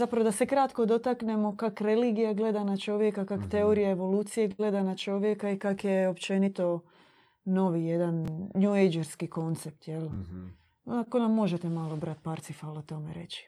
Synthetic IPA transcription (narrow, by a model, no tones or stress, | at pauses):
zapɾaʋod̪ase̞kɾat̪ko̞d̪o̞t̪akne̞mo̞kakɾe̞liːɡijaɡle̞d̪anat͡ʃo̞ʋje̞kakakt̪e̞oɾijaeʋo̞luːt̪sijeɡle̞d̪anat͡ʃo̞ʋje̞kaikakjeopt͡ʃe̞nit̪o̞ | no̞ʋije̞d̪anːjuejd͡ʒeɾskiko̞nt̪sep̚t̪jel | akonamːo̞ʒet̪e̞malo̞bɾat̪̚paɾt̪sifalˠot̪o̞mḛɾe̞̰t͡ɕi̥